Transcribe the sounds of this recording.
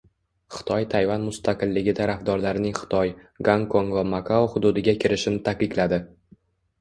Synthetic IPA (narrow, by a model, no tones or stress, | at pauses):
χɨ̥t̪ʰɒjt̪ʰajvanmʊst̪ʰaqɨlːɪɡʲɪt̪ʰaɾafd̪ɒɾlaɾɪnɪŋχɨ̥t̪ʰɒjɡaŋkʰoŋvamakʰaoχʊd̪ud̪ɪɡʲakʲʰɪɾɪʃɪnɪt̪ʰakɪk̪lad̪ɪ